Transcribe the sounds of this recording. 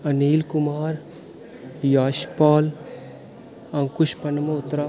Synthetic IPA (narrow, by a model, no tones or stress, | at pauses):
ɐniːlkʊmaːɾ | jaːʃpaːl | ɐ̃ŋkʊʃpɐnmɐʊt̪ːɾa